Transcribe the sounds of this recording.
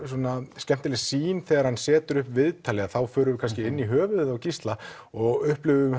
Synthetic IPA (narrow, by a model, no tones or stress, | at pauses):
swuɔnascɛm̥t̪ɪlɪsiːnθɛːɣaɾ̥hansɛːt̪ʏɾʏhpvɪðt̪ʰaːlɪaθawfœːɾʏvɪkʰanscɪɪnːiɦœːvʏðawcist̪la | ɔɣʏhplʏvʏʏm